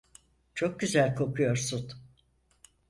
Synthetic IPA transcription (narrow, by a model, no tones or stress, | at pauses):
t͡ʃʰo̞k̚ɟyzælʲkʰo̞kʰujo̞ɾsut̪